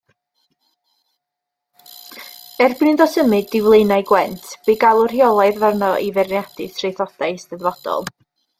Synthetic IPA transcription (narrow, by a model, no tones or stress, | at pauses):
ɛrbnɨndɔsəmɨdɪwlˠejnajɡwɛntʰb̥iɡalˠʊr̥hiɔlˠajðvarnɔʔivɛrnjadɨsʰrejθɔd̥ajstəðvɔd̥ɔ̰lˠ